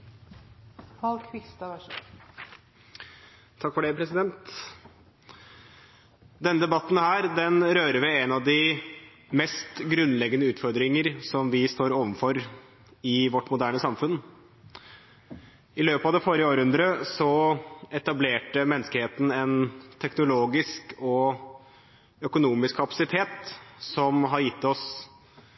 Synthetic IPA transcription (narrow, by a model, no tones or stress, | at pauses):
ɑlkʰʋɪst̪ɑʋ | t̪ʰːɑkːfɔɖeːpʰɾɛsɪd̪ɛnt̪ | d̪ɛnːəd̪ɛbɑt̪ːn̩hæːɾd̪ɛnɾøːɾəʋɛɛnɑʋd̪ɪ | mɛst̪ɡɾʉnlɛɡənəʉːt̪fɔɾd̪ɾɪŋəɾsɔmʋɪst̪oːɾoːʋənfɔɾ | ɪʋɔʈːmʊd̪æːɳəsɑmfʉn | ɪløːpɑʋd̪ɛfoːɾɪəoːɾəhʉnd̪ɾəsɔɛt̪ɑbleːʈəmɛnːəskəheːt̪ən̩ɛnt̪ʰɛknʊloːɡɪskɔ | œkʊnuːmɪskʰːɑpɑ̥sɪt̪ʰeːt̪sɔmɦɑɾjɪt̪ːɔs